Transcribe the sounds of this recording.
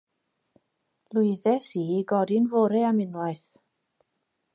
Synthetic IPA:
lˠʊɨðɛsiɡɔdɪnvoɾɛamɪnwaɨθ

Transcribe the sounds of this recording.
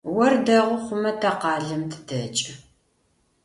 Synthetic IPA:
wɐrdɐʁʷʊχʷʊmɐtʰɐqɑːɮɨmtʰɨ̥dɐt͡ʃʼɨ

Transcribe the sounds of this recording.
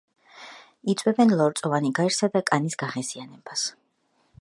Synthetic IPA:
it̪sʼwɛbɛnlˠɔɾt̪sʼɔvaniɡaɛɾsad̪akʼanisɡaʁɛzianɛbas

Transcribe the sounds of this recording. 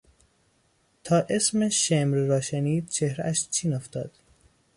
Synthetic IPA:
t̪ʰɒːʔe̞smeʃemɾːɒːʃeniːd̪̚t͡ʃʰehɾeʔæʃt͡ʃʰiːnoft̪ɒːd̪̥

